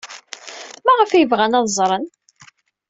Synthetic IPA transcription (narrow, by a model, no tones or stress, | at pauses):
mæʁəfjəvʁænɑðˤzˤɾˤən